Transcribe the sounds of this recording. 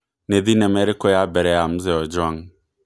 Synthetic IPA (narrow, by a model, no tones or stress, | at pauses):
neðinameɾɪkojabɛɾɛamʊzɛɔd͡ʒʊaŋ